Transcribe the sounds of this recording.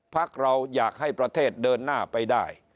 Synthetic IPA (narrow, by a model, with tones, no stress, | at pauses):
pʰa˦˥k̚ɾa˧wjaː˨˩k̚ha˥˩jpɾa˧t̪ʰeː˥˩t̪̚dɤː˧nːaː˥˩pa˧jdaː˥˩j